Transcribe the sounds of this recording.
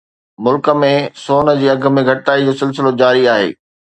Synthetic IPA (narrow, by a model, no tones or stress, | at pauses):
mʊlkə̆mẽsoːnə̆d͡ʑiːɐɡʱə̆mẽɡʱɐʈɪʈaːid͡ʑoːsɪls̬ɪlod͡ʑaːɾiaːɦḛː